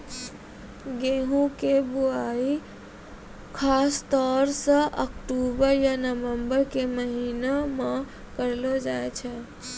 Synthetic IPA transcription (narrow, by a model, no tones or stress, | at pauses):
ɡeɦũkebuai | kʰast̪ɔɾsə̃ʔəkʈubəɾjanəʋəmbəɾkeməɦiname | kəɾlɔd͡ʒajt͡ʃʰɛ